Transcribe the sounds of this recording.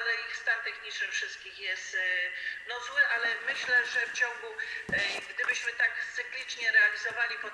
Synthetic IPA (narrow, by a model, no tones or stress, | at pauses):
lɛixst̪ant̪ɛxɲit͡ʂnɘfʂɘst̪̚kʲixjɛst̪nɔzwɘʔalɛmɘɕlɛʐɛft͡ɕɔ̃ŋɡu | ɡd̪ɘbɘɕmɘt̪akt̪sɘklʲit͡ʂɲɛɾɛalʲizɔvalʲipɔ